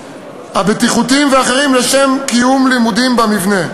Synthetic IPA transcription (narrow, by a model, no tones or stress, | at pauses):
habet̪iχutimveaχeʁimleʃemkijumlimud̪imbamivne̞